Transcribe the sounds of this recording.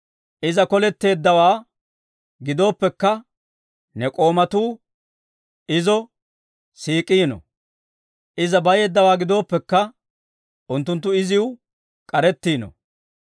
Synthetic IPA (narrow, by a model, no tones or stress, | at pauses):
ʔɪzɐkɔlɛt̪ːe̞ːd̪ːɐwaː | ɡɪd̪o̞ːpːɛkːɐ | nɛkʼo̞ːmɐt̪uː | ʔɪzɔ | siːkʼiːnɔ̰ | ʔɪzɐbɐje̞ːd̪ːɐwaːɡɪd̪o̞ːpːɛkːɐ | ʔʊnt̪ːʊnt̪̬ːʊɪzɪwʊ | kʼɐɾɛt̪ːiːnɔ̰